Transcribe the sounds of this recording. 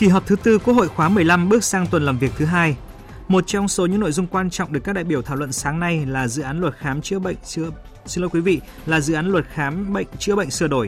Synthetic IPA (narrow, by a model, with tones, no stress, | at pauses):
ki˨˧˩ɦɔ˨˩p̚t̪ʰɨ˨˦t̪ɨ˧kwəho̰˧˨jxwaː˨˦mɨ˨˩əjla˧mɓɨ˦˥ək̚saː˧ŋt̪wə˨˩nlaː˨˩mvi˨˩ək̚t̪ʰɨ˨˦ɦaː˧j | mo˨˩t̚t͡ɕɔ˧wŋ͡mso˨˦ɲɨ̰˧˥ŋno̰˧˨jzʊ˧ŋ͡mkwaː˧nt͡ɕɔ̰˧˨wŋ͡mɗɨ˨˩əkːaː˦˥ɗa̰ː˧˨jɓi˩ət̪ʰaː˧˩wə̰˧˨nsaː˨˦ŋna˧jlaː˨˩zɨ̰˧˨ʔaː˨˦nlwə˨˩t̚xaː˨˦mt͡ɕɨ˧˥ə̰˧˨ŋ̟˧ | sɨ˧lɔː˨˦jkwi˨˦vḭ˧˨ | laː˨˩zɨ̰˧˨ʔaː˨˦nlwə˨˩t̚xaː˨˦mɓə̰˧˨ŋt͡ɕɨ˦˧˥əɓə̰˧˨jŋ̟sɨ˧əɗo˧˩j